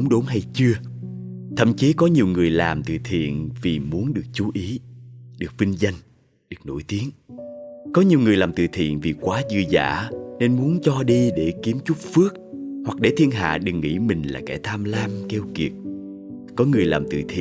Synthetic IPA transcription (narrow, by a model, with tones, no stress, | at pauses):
ŋ͡mɗu˨˦nɦa˧jt͡ɕɨ˧ə | t̪ʰə̰˧˨mt͡ɕi˨˦kɔ˨˦ɲi˨˩əwŋɨ˨˩əjlaː˨˩mt̪ɨ̰˧˨t̪ʰḭ˧˨ənvi˨˩mu˨˦ənɗɨ˨˩ək̚t͡ɕu˨˦ʔi˨˦ɗɨ˨˩ək̚vi˧ŋza˧jŋ̟ | ɗɨ˨˩ək̚no̰˧˥˨jt̪i˨˦ən | kɔ˨˦ɲi˨˩əwŋɨ˨˩əjlaː˨˩mt̪ɨ̰˧˨t̪ʰḭ˧˨ənvi˨˩kwaː˨˦zɨ˧əza̰ː˧˥ne˧nmu˨˦ənt͡ɕɔ˧ɗi˧ɗe˧˩ki˨˦əmt͡ɕu˦˥k͡p̚fɨ˦˥ək̚hwa˨˩k̚ɗe˧˩t̪ʰi˧ənɦa̰ː˧˨ɗɨ˨˩ŋːḭ˧˥mï˨˩ŋ̟la̰ː˨˩kɛ̰˧˩t̪ʰaː˧mlaː˧mke˧wki˨˩ət̚ | kɔ˨˦ŋɨ˨˩əjlaː˨˩mt̪ɨ̰˧˨t̪ʰḭ˧˨